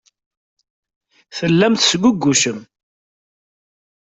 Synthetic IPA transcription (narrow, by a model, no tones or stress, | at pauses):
θəlːæmθsɡʷʊɡːuʃəm